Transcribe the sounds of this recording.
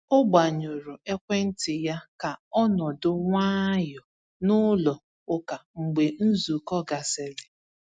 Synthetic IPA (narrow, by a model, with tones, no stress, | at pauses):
ʊ˦ɡ͡ba˨ɲo˨ɾʊ˨e˦kʷe˦n̩˦tɪ˨ja˦ka˨ɔ˦nɔ˨dʊ˦ŋʷaː˦jɔ˨ | nʊ˦lɔ˨ | ʊ˦ka˨ŋ͡m̩˨ɡ͡be˨n̩˦zu˨kɔ˦ɡa˨sɪ˨ɾɪ˨